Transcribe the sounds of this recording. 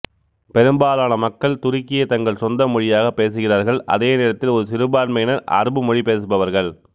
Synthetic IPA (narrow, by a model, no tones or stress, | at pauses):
pɛɾɯmbaːlaːnɐmɐkːɐɭt̪ʊɾɪkːɪjɐt̪ɐŋɡɐɭsɔnd̪ɐmʊɻɪjaːɣɐpːeːsɯɣɪraːɾɣɐɭɐ̰ðeːneːɾɐt̪ːɪlɔɾɯsɪɾɯbaːɾmɐjɪnɐɾʔɐ̰ɾɯbɯmɔɻipeːsɯbɐʋɐɾɣɐɭ